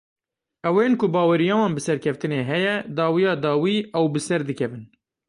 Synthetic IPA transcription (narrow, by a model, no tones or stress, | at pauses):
ʔɛwenkʊbɑːwɛɾijɑːwɑːnbɨsɛɾkʲʰɛft̪ɨneːɦɛjɛd̪ɑːwijɑːd̪ɑːwiːʔɛwbɨsɛɾd̪ɨkʰɛvɨn